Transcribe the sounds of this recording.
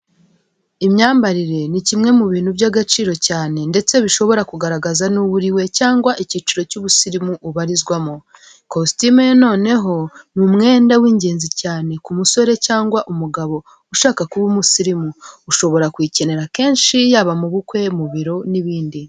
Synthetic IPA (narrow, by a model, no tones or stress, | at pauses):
imɲaːmbaɾiɾe̞nicimŋe̞muβiːn̥hubjaɡat͡ʃiːɾo̞caːne̞nde̞t͡se̞βiʃo̞βo̞ɾakuɡaɾaɡazanuβuɾiwe̞caːŋɡwaʔicit͡ʃiɾo̞cuβusiɾimuʔuβaɾizɡwamo | kostimeno̞ːne̞ɦo̞mumŋe̞ːndawiːɲɟe̞ːnzicaːne̞kumuso̞ɾe̞caːŋɡwaʔumuɡaβo̞ | uʃaːkakuβumusiɾimuːʃo̞βo̞ɾakwiːce̞ne̞ɾake̞ːnʃijaːβamuβukwe̞muβiɾo̞niβiːndi